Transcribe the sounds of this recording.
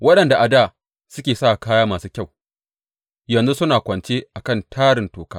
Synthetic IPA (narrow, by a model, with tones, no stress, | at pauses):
wɐ˦ɗɐ˨nda˨ʔa˨daː˦˨ | sʊ˦kʲeː˨sa˦˨kaː˦jaː˦maː˨suː˦kʲa˦˨w | jɐ˨nzu˦sʊ˦naː˨kʷɐ˨nt͡ʃeː˦ʔa˨kɐ˦˨ntʰaː˦ɽɪ˨ntoː˨kaː˦